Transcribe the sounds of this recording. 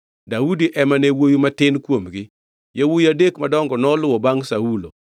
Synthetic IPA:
daudiʔɛmanewojumatɪnkwomɡɪ | jawujadekmadɔŋɡɔnɔlʊwɔbaŋsaulo

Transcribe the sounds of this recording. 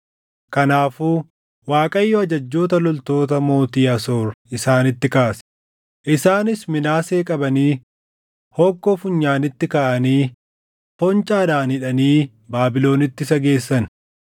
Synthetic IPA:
kɐnaːfuː | waːkʼɐjːɔɐd͡ʒɐd͡ʒːo̞ːt̪ɐlɔlt̪o̞ːt̪ɐmo̞ːt̪iːɐsoːɾʔɪsaːnɪt̪ːɪkaːsɛ̥ | ʔɪsaːnɪsmɪnaːse̞ːkʼɐbɐniː | hɔːkːɔfʊɲːaːnɪt̪ːɪkaːʔɐniː | fɔnt͡ʃʼaːd̪aːnɪᶑɐniː | baːbɪlo̞ːnɪt̪ːɪsɐɡe̞ːsːɐn

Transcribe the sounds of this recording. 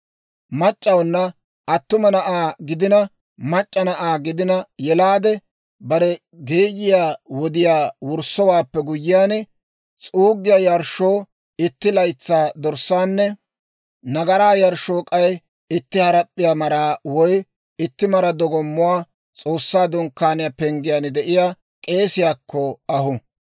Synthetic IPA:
mɐt͡ʃʼːɐwnːɐ | ʔɐt̪ːʊmɐnɐʔaːɡɪd̪ɪnɐ | mɐt͡ʃʼːɐnɐʔaːɡɪd̪ɪnɐjɛlaːd̪ɛ | bɐɾɛ | ɡeːjɪjaːwɔd̪ɪjaːwʊɾsɔwaːpːɛɡʊjːɪjaːnɛ | t͡sʼuːɡːɪjajɐɾʃoː | ɪt̪ːɪlɐjt͡sːaːd̪ɔɾsːaːnːɛ | nɐɡɐɾaːjɐɾʃoːkʼɐj | ɪt̪ːɪhɐɾɐpʼːɪjaːmɐɾaːwɔj | ɪt̪ːɪmɐɾɐd̪ɔɡɔmːʊwaː | t͡sʼo̞ːsːaːd̪ʊŋkːaːnɪjapɛŋɡɪjand̪ɛʔɪjaː | kʼe̞ːsɪjaːkʰːɔɐhʊ

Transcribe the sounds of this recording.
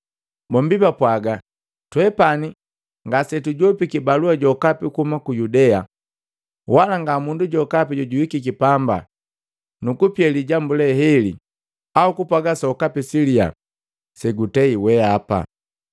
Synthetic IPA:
bɔm̩bibapwaɡa | twɛpani | ŋɡasɛtuɟɔpikibaluaɟɔkapikumakujudɛa | walaŋɡamunduɟɔkapiɟɔɟuwikikipamba̰ | nukupjɛliɟambulɛɦɛlḭ | aukupwaɡasaukapisilia̰ | sɛɡutɛiwɛapa̰

